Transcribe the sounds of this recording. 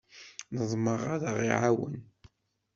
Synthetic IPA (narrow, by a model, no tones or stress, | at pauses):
nəðˤməʁaðəʁḭʕawə̰n